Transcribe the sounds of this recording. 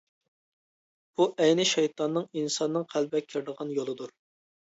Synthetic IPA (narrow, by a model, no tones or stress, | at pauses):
b̥uʔɛjnɪʃɛjt̪ʰɑnːɨŋinsɑnːɨŋqʰælbɛkʲʰiɾd̪əʁɑnjolˠɨd̪uɾ